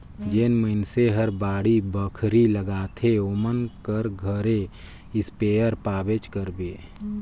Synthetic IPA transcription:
d͡ʒeːnməɪnseɦəɾbaːɽibəkʰɾiləɡaːt̪ʰeoːmənkəɾɡʱəɾe | ɪspeːjəɾpaːbet͡ʃkəɾbeː

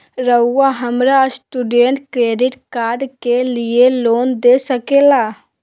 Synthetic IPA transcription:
ɾəʊːaɦəmɾasʈuɖeɳʈkɾeːɖiʈkaːɾɖkelieloːnd̪esəkela

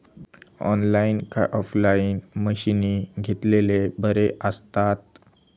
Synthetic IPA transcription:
ɔ̰nlainka̰ʔɔflainməɕiniɡʱet̪lelebəɾeʔəst̪at̪̚

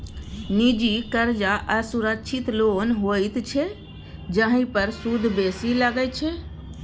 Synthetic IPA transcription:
nid͡ʒikəɾd͡ʒaʔəsuɾəkʃʰit̪lonɦojt̪t͡ʃʰɛ | d͡ʒəɦĩpəɾsud̪ʱbesilaɡɛt͡ʃʰɛ

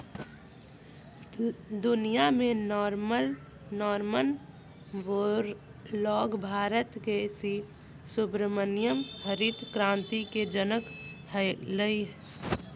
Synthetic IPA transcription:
d̪ʊnijamẽnɾməl | nɔːɾmən | ʋoɾ | lɔːɡbʱaːɾət̪kesi | sʊbɾəmənjəmɦəɾit̪kɾãːnt̪iked͡ʒənək | hələi

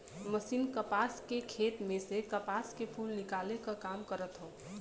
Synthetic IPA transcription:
məsiːnkəpaskekʰeːt̪mẽsekəpaːskepʰuːlnɪkalekakaːmkəɾət̪ɦõː

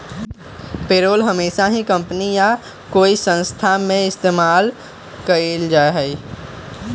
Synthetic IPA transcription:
peːɾoːlɦəmeːʃaɦikə̃mpnija | koːisə̃nst̪ʰamẽɪst̪eːmaːl | kəeld͡ʒaːeɦɛi

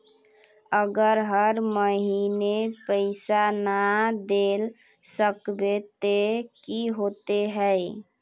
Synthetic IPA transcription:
əɡəɾɦəɾməɦinepəɪsanad̪el | səkbet̪ekiɦot̪eɦəɪ

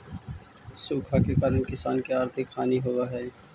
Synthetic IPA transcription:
suːkʰakekaɾənkɪsaːnkeaːɾt̪ʰɪkʰːaːniɦoʋaɦɛː

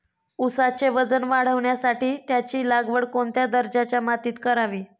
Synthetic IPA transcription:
usat͡ɕeʋəd͡zənʋaɽ̤əʋɳjasaʈiːt̪jat͡ɕiːlaɡʋəɽkoɳt̪jad̪əɾd͡ʑat͡ɕjamat̪iːt̪kəɾaʋiː

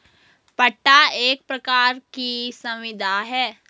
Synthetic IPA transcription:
pɐʈːaeːk̚pɾɐkaːɾkisɐ̃mʋɪd̪ʱaɦɛː

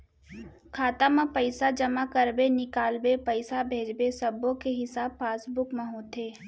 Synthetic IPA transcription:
kʰaːt̪amẽpəɪsad͡ʒəmakəɾbenɪkaːlbepəɪsabʱeːd͡ʒbesɐbõkeɦɪsaːbfaːsbʊkmẽɦoːt̪ʰeː

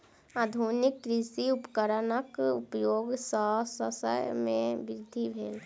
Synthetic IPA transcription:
aːd̪ʱunɪkːɾɪsiʊpəkəɾənəkupəjoːɡsɔsəsə̰jmẽbɪɾɪd̪ʱːibʱeːl

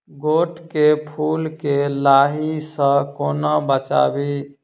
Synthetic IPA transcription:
ɡoʈkepʰulkelaɦisə̃konɔbət͡ʃa̰bi

